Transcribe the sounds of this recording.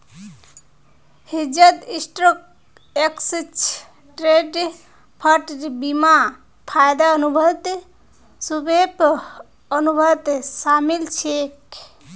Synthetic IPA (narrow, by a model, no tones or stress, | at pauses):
hid͡ʒət̪isʈɾək̚ | ekst͡ʃʰ | ʈɾeɖ | pʰəʈɾbima | pʰajd̪aənubʱət̪ | subʱep | ənubʱət̪samilt͡ʃʰek